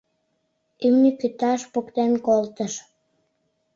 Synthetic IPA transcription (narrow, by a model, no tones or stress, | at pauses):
ymnikyt̪ɑʃpokt̪enkolt̪əʃ